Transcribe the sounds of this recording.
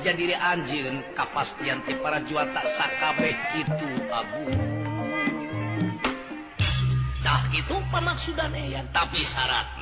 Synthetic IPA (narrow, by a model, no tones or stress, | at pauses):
d͡ʒadiɾɛʔaɲd͡ʒɨnkapast̪iant̪ɛpaɾad͡ʒuat̪aʔsakabɛhkit̪uaɡu | t̪ahkit̪upamaksudanɛjat̪apisaɾa̰t̪̚n